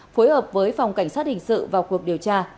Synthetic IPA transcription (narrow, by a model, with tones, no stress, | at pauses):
fo˨˦jhəː˨˩p̚vəː˨˦jfa˨˩wŋ͡mka˧˩jŋ̟saː˦˥t̚hï˨˩ŋ̟sɨ̰˧˨vaː˨˩wku˨˩ək̚ɗi˨˩əwt͡ɕaː˧